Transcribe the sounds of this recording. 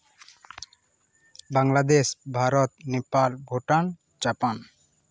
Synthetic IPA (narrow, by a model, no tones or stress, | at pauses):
baŋlad̪eʃbʱaɾɔt̪nepalbʱoʈan | d͡ʒapan